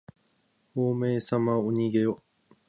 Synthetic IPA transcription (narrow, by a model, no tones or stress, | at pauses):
hoːme̞ːsamaoɲ̟iɡe̞o